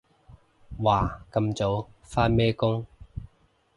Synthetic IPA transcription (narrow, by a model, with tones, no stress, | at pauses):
waː˨˩kɐ˧mt͡so˨˧w | faː˥mɛː˥kʊ˥ŋ